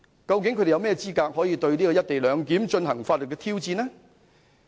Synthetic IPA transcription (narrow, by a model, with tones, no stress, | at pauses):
kɐ˧wk̬ɪ˨˥ŋkʰɵ˨˧ɾe˨jwmɛː˥˧t͡siː˥kaː˧k̚hɔː˨˥jiː˨˧t̪ɵ˧ɥniː˥kɔ˧jɐ˥t̚t̪e˨jlœː˨˧ŋki˨˥mt͡ʃɵ˧nɦɐ˨˩ŋfaː˧t̚lɵ˨˩kːɛ˧t̪ʰiː˥wt͡siː˧nɛː˥